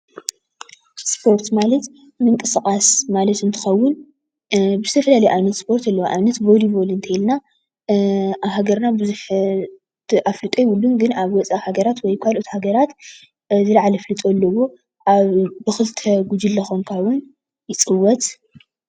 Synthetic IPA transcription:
spʰo̞ɾt̪malɐt̪ | mɨŋkʼɨsɨkʼasmalɐt̪ɨnt̪ʰɨ̥xɐwːʊn | bɨzɨt̪ʰɐfɐlalɐjʔaβnɐt̪spʰo̞ɾt̪ɐlːɐwʔa̰βnɐt̪bo̞libo̞lɨnt̪ʰɐjilna | aβɦaɡɐɾnabɨzuħ | ʔaflɨt̪ʼejwʊlːunɡɨnaβwɔt͡sʼahaɡɐɾat̪wɔjkʰalʔot̪haɡɐɾat̪ | zɨlaʕalɐflɨt̪ʼolːɐwo̞ | ʔaβbɨxɨlt̪ʰɐɡud͡ʒɨlːɐxomkʰaβwʊn | jɪt͡sʼɨwːɔt̪

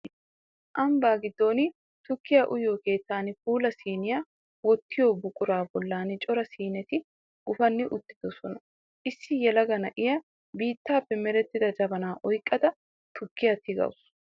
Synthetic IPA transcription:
ʔɐmbaːɡɪd̪ːo̞ːnɪ | t̪ʊkːɪjɐʔʊjoːke̞ːt̪ːaːnɪfuːlɐsiːnɪja | wɔt̪ːɪjoːbʊkʼːʊɾaːbɔlːaːnɪt͡ʃʼɔɾɐsiːnɛt̪ɪ | ɡ̥ʊfɐnːɪʔʊt̪ːɪ̥d̪̥ɔsɔnɐ | ʔɪsːɪjɛlɐɡɐnɐʔɪjɐ | biːt̪ːaːpːɛmɛɾɛt̪ːɪd̪ɐd͡ʒɐbɐnaːʔɔjkʼːɐd̪ɐ | t̪ʊkːɪjɐt̪ɪɡɐ̰wʊs

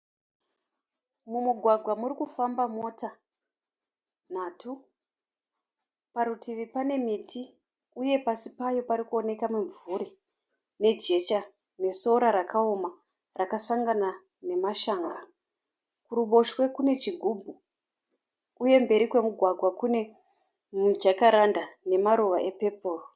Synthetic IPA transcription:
mumuɡʱwaɡʱwamuɾikufambamo̞ta | n̤aːtʰu | paɾutiʋipane̞mitʰi | uje̞pasipajo̞paɾikuo̞ne̞kamuɱvuɾi | ne̞d͡ʒe̞t͡ʃa | ne̞so̞ɾaɾakʰao̞ma | rakasaŋɡana | ne̞maʃaːŋɡa | kuɾuɓo̞ʃwe̞kune̞t͡ʃiɡʱubʱu | je̞mbe̞ɾikwe̞muɡʱwaɡʱwakune̞ | mud͡ʒakaɾandane̞maɾoʋaʔe̞pe̞po̞ːro

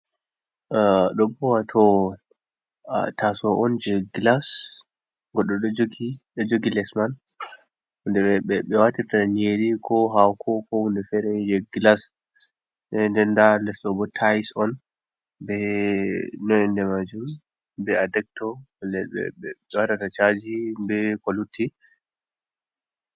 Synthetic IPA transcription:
ɗɔbɔwatʰɔ | a̰tasɔʔɔnd͡ʒɛɡlas | ɡɔɗɔɗɔd͡ʒoɡiɗɔd͡ʒoɡilɛsman | hundɛɓɛɓɛɓɛwatitaneɾikʰɔɦawkʰɔkɔhundɛfɛɾɛd͡ʒɛɡlas | ɛndɛndalɛsɗɔbɔtʰajsɔn | bɛ | nɔnɛndɛmad͡ʒum | bɛadɛk̚tɔlɛɓɛ̰ɓɛɓɛwatatat͡ʃad͡ʒibɛkɔlutʰːi

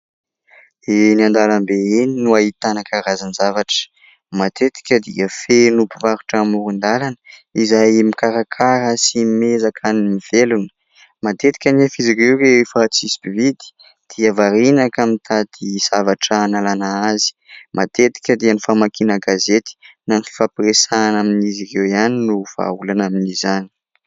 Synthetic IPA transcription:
eniand̪alambeininuaɦit̪anakaɾazanzavaʈ͡ʂə̥ | mat̪et̪i̥kʲəd̪ḭəfenupuvaɾuʈ͡ʂamuɾund̪alanəizajmikaɾakʰaɾəsimezakʰanimiv̥elunə̥ | mat̪et̪i̥kʲanefizirewrefat͡sisi̥bivid̪i̥ | d̪̥iəvaɾinakamit̪ʰad̪̥iz̥avaʈ͡ʂanalanaazi̥mʔat̪et̪i̥kʲəd̪ianifamakinəɡazet̪i̥nanifi̥fapresanaminizirewianinuv̥a̰ulanaminizani̥

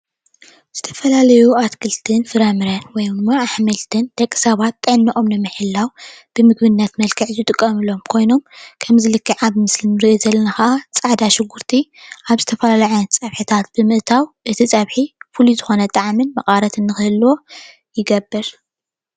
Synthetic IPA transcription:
z̥ɨt̪ʰɐ̥fɐlalɐjuat̪kʰɨlt̪ʰɨnfɨɾamɨɾɐnwɔjd̪ɨmːaːħmɨlt̪ʰɨnd̪̥ɐkʼːi̥sɐβat̪̚ːɨʕnːiʔʼo̞mnɨmɨħɨlːawb̥ɨmɨɡbɨnːɐt̪mɐlkʰɨʕzɨt̪ʼɨkʼːɐmɨlo̞mkʰo̞jno̞mkʰɐmzɨlɨkʰːiʕaβɨmɨslɨmɾɨʔizɐlːɐnaxɐʔat͡sʼaʕd̪aʃɪɡːuɾt̪ʰiʔaβzɨt̪ʰɐfɐlalaʕajɐt͡sʼɐβħit̪ʰat̪̚bɨmɨʔt̪ʰawʔɨt̪ʰit͡sʼɐβħifulizɨxo̞nɐt̪ʼaʕmɨnmɐqʼaɾɐt̪ɨnːɨxɨhɨlːwo̞ | jɪɡɐbːɨɾ

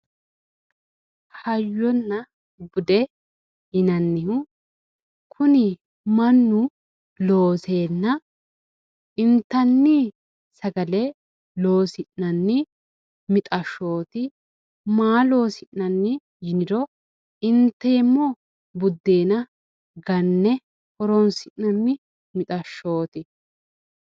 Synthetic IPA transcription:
hɐjːɔnːɐ | bʊd̪ɛ | ɪnɐnːɪhʊ | kʰʊnɪ | mɐnːʊ | lo̞ːse̞ːnːɐ | ɪnt̪ːɐnːi | sɐɡɐlɛ | lo̞ːsɪʔnɐnːɪ | mɪt̪ʼɐʃːo̞ːt̪ɪ | maːlo̞ːsɪʔnɐnːɪ | jɪnɪɾɔ | ɪnt̪ːɛjɛmːɔ | bʊd̪ːeːnɐ | ɡɐnːɛ | hɔɾɔnsɪʔnɐnːɪ | mɪt̪ʼɐʃːo̞ːt̪ɪ

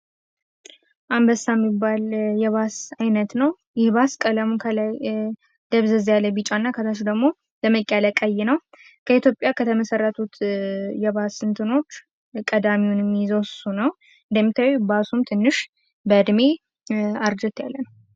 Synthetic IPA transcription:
ʔambəsːamːibːaljɛβasajnət̪nəw | jɪhbaskʼələmukʰəlaj | d̪̥əβzəzjaləbit͡ʃʼanːakʰət̪ʰaʃ̬d̪əɡmo̞ | ləməkʼaləkʼəjːɛnəw | kʰəit̪ʰjo̞pʼjakʰət̪ʰəməsərːət̪ʰut̪jɛbasɨnt̪ʰɨno̞t͡ʃː | kʼəd̪amiwunmːizosunəw | ɨnd̪əmːit̪ʰawbasumt̪ʰɨnːɨʃ | bəd̪me | aɾd͡ʒɛt̪jalːənə

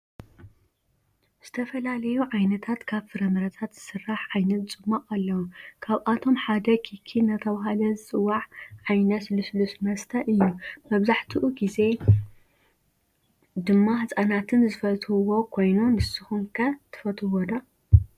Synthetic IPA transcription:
z̥ɨt̪ʰɐfɐlalɐjuʕajnɐt̪ʰat̪kʰaβfɨɾɐmɐɾɐt̪ʰat̪z̥ɨsɨrːaħʕajnɐt̪t͡sʼɨmːaqʼalːɐwukʰaβʔat̪ʰo̞mħad̪ɐkʰikʰinɐt̪ʰɐβaɦalɐzɨt͡sʼɨwːaʕʕajnɐsluslusmɐst̪ʰɐʔɨjːumɐβzaħt̪ʰiʔuɡize̞ | d̪ɨmːahɨsʼanat̪ʰɨnzɨfɐt̪hɨwo̞kʰo̞jnunɨsɨxumkʰɐt̪ʰɨ̥fɐt̪ʰɨwod̪a

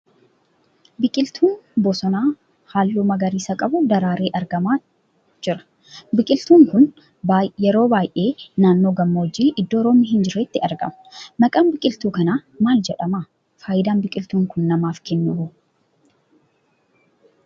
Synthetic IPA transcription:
bɪkʼɪlt̪ʰuːnbɔsɔnaː | haːlːuːmɐɡɐɾiːsɐkʼɐbʊd̪ɐɾaːɾeːʔɐɾɡɐmaː | d͡ʒɪɾɐ̥ | bɪkʼɪlt̪uːŋkʊn | baːjɛɾo̞ːbaːjʔe̞ːnaːnːo̞ːɡɐmːoːd͡ʒiːʔɪd̪ːoːɾoːmiːhɪnd͡ʒɪɾɛt̪ːɪɐɾɡɐ̰mʊ̥nɐkʼaːmbɪkʼɪlt̪uːkɐnaːmaːld͡ʒɛᶑɐmaː | faːjɪd̪aːnbɪkʼɪlt̪uːŋkʊnːɐmaːfkɛnːʊuː

